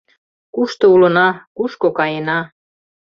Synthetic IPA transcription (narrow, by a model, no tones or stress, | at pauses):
kuʃt̪ŏulɤ̆nɑkuʃkokɑjenɑ